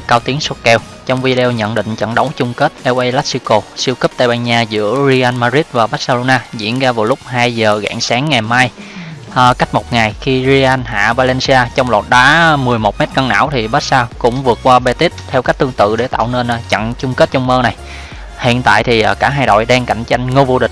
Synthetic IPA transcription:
kaː˧wt̪i˨˦əŋso˦˥t̚kɛ˧w | t͡ɕɔ˧wŋ͡mvi˧ɗɛ˧wɲə̰˧˨nɗḭ̈˧˨ŋ̟t͡ɕə̰˧˨ŋɗə˨˦wŋ͡mt͡ɕʊ˧ŋ͡mke˦˥t̚ʔɛ˧wʔə˧jlaː˦˥t̚si˧wko˧si˧əwkɨ˦˥p̚t̪aː˧jɓaː˧nɲaː˧zɨ̰˧˥əzi˧ʔa˧nmaː˧zi˦˥t̚vaː˨˩ɓa˦˥t̚sa˧lo˧naː˧zḭ˧˥ənɣaː˧vaː˨˩wlʊ˦˥k͡p̚ɦaː˧jzəː˨˩ɣa̰ː˧˨ŋsaː˨˦ŋːa˨˩jmaː˧j | ʔːka˦˥k̟̚mo˨˩t̚ŋa˨˩jxi˧zi˧ʔa˧nɦa̰ː˧˨vaː˧lɛ˧nsi˧aː˧t͡ɕɔ˧wŋ͡mlɔː˨˩t̚ɗaː˨˦mɨ˨˩əjmo˨˩t̚mɛ˦˥t̚kə˧ŋna̰ː˧˥˨wt̪ʰi˨˩ɓaː˦˥t̚saː˧kʊ̰˧˥ŋ͡mvɨ˨˩ək̚kwaː˧ɓe˧t̪i˦˥t̚t̪ʰɛ˧wkaː˦˥k̟̚t̪ɨ˧əŋt̪ɨ̰˧˨ɗe˧˩t̪a̰ː˧˨wne˧nʔt͡ɕə̰˧˨ŋt͡ɕʊ˧ŋ͡mke˦˥t̚t͡ɕɔ˧wŋ͡mməː˧na˨˩j | hḭ˧˨ənt̪a̰ː˧˨jt̪ʰi˨˩ʔkaː˧˩ɦaː˧jɗo̰˧˨jɗaː˧ŋka˧˩jŋ̟t͡ɕa˧jŋ̟ŋo˧vo˧ɗï˨ŋ̟

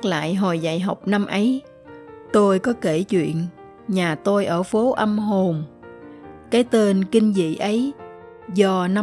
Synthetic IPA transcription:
k̚la̰ː˧˨jɦo˨˩jza̰˧˨jɦa˨˩wk͡p̚na˧mʔə˨˦j | t̪o˧jkɔ˨˦ke˧˩t͡ɕwḭ˧˨ən | ɲaː˨˩t̪o˧jʔəː˧˩fo˨˦ʔə˧mɦo˨˩m | kaː˨˦jt̪e˧nkï˧ŋ̟zḭ˧˨ʔə˨˦j | zɔ˧na˧

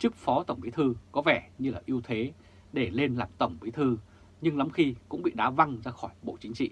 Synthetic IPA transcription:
t͡ɕɨ˦˥k̚fɔ˨˦t̪ə˧˩wŋ͡mwi˨˦t̪ʰɨ˧kɔ˨˦vɛ˧˩ɲɨ˧laː˨˩ʔi˧əwt̪ʰe˨˦ | ɗe˧˩le˧nlaː˨˩mt̪ə˧˩wŋ͡mki˨˦t̪ʰɨ˧ | ɲɨ˧ŋla˨˦mxi˧kʊ̰˧˥ŋ͡mɓḭ˧˨ɗaː˨˦va˧ŋzaː˧xɔ˧˩jɓo̰˧˨t͡ɕï˨˦ŋ̟t͡ɕḭ˧˨

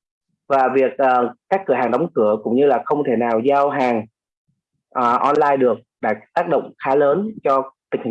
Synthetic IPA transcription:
vaː˨˩vi˨˩ək̚ʔːkaː˦˥kːɨ˧˩əɦaː˨˩ŋɗa˨˦wŋ͡mkɨ˧˩əkʊ̰˧˥ŋ͡mɲɨ˧laː˨˩xə˧wŋ͡mt̪ʰe˧˩naː˨˩wzaː˧wɦaː˨˩ŋ | ʔːʔɔ˧nlaː˧jɗɨ˨˩ək̚ɗa̰ː˧˥t̪aː˦˥k̚ɗo̰˧˨wŋ͡mxaː˨˦ləː˨˦nt͡ɕɔ˧t̪ï˨˩ŋ̟hï˨

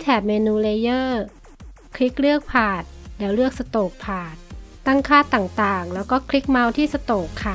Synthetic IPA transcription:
t̪ʰɛː˨˩p̚meː˧nuː˧le˧jɤː˥˩ | kʰli˦˥k̚ɾɯ˥˩ək̚pʰaː˨˩t̪̚lɛː˦˥wlɯ˥˩ək̚sa˧t̪oː˨˩k̚pʰaː˨˩t̪̚ː | a˥˩ŋkʰaː˥˩t̪ːaː˨˩ŋt̪aː˨˩ŋlɛː˦˥wkɔː˥˩kʰli˦˥k̚ma˧wt̪ʰiː˥˩sa˧t̪oː˨˩kʰːa˦˧˩

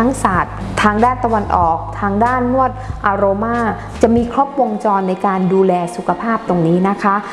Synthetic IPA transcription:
a˦˥ŋsaː˨˩t̪̚ʰːaː˧ŋdaː˥˩nt̪a˧wa˧nʔɔː˨˩k̚t̪ʰaː˧ŋdaː˥˩nmu˥˩ət̪̚ʔaː˧ɾoː˧maː˥˩ | t͡ɕa˨˩ʔmiː˧kʰɾo˦˥p̚wo˧ŋt͡ɕɔː˧nːa˧jkaː˧nduː˧lɛː˧su˨˩kʰa˧pʰaː˥˩p̚t̪o˧ŋniː˦˥na˦˥kʰa˦˥

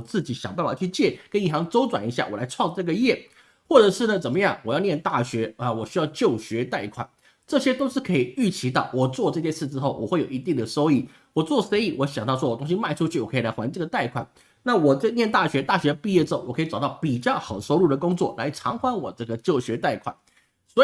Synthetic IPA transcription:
t͡sɹ̩˥˩t͡ɕi˨˥ɕjɑ˨˩ŋp̬a˥˩n˩wa̰˨˩t͡ɕʰy˥˧t͡ɕjɛ˥˩kə˥ni˥˩xɑ˧˥ŋʈ͡ʂo˥ʊt͡swa˨˩ni˧˥ɕja˥˩wɔ̰˨˩la˧˥ɪʈ͡ʂʰwɑ˥˧ŋʈ͡ʂɤ˥˩ɡə˩jɛ˥˩ | xwɔ˥˩ʈ͡ʂɤə˨˩ʂɻ̩˥˩nə˩t͡sə˨˩nmə˦jɑ˥˩ŋwɔ˨˩jɑ˥˧ʊnjɛ˥˧nt̪a˥˩ɕɥɛ˧˥ə˨wɔ˨˩ɕy˥jɑ˥˧ʊt͡ɕjo˥˩ʊɕɥɛ˧˥t̪a˥˩ɪkʰwa̰˨˩˦n | ʈ͡ʂɤ˥˩ɕjɛ˥t̪o˥ʊʂɻ̩˥˩kʰɤ˧˥i˨˩y˥˩t͡ɕʰi˧˥t̪ɑ˥˩ʊwɔ˨˩t͡swɔ˥˧ʈ͡ʂɤ˥˧ɕjɛ˥t͡sʰɹ̩˥˩ʈ͡ʂɻ̩˥xo˥˩ʊwɔ̰˨˩xwe˥˩ɪjo˨˩i˧˥t̪i˥˩ŋd̪ə˩ʂo˥ʊi˥˩ | wɔ˨˩t͡swɔ˥˩se˥ɪi˥˩wʔɔ˧˥ɕjɑ˨˩ŋt̪ɑ˥˧ʊʂɔ˥wɔ˨˩t̪ʊ˥ŋɕ̬i˥ma˥˧ɪʈ͡ʂʰu˥t͡ɕʰy˥˩wɔ˨˩kʰi˨˩la˧˥xwa˧˥n˥ʈ͡ʂɤ˥˩ɡə˩t̪a˥˩ɪkʰwa̰˨˩˦n | na˥˩wɔ˨˩ʈ͡ʂə˥˧njɛ˥˧nt̪a˥˩ɕɥɛ˧˥t̪a˥˩ɕɥɛ˧˥˧pi˥˧jɛ˥˩ʈ͡ʂɻ̩˥˩wɔ˨kɤ˧˥i˧˩ʈ͡ʂɑ˨˩ʊt̪ɑ˥˩ʊpi˨˩t͡ɕjɑ˥˩ʊxɑ˨˩ʊʂo˥ʊlu˥˩d̪ə˩kʊ˥ŋt͡swɔ˥˩la˧˥ɪʈ͡ʂʰɑ˧˥ŋxwa˥nwɔ˨˩ʈ͡ʂɤ˥˩ɡə˩t͡ɕjo˥˩ʊɕɥɛ˧˥t̪a˥˩ɪkʰwa̰˨˩˦n | swɔ˧˥˨

